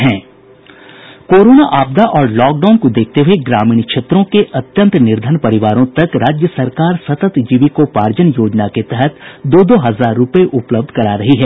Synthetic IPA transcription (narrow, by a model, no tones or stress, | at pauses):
ɦɛ̃ː | koːɾoːnaʔaːb̚d̪aʔɔːɾlɔːk̚ɖaːnkod̪eːk̚ʰt̪eɦueɡɾaːmĩːnkʃeːt̪ɾõkeʔɐt̪jə̃nt̪nɪɾd̪ʱənpɐɾɪʋaːɾõt̪ɐkɾaːd͡ʒjəsɐɾkaːɾsɐt̪ət̪d͡ʒiːʋikopaːɾd͡ʒənjoːd͡ʒnaket̪ɛɦɛt̪d̪oːd̪oɦɐzaːɾːʊpeʔʊpləb̚d̪ʱkɐɾaːɾɐɦiɦɛː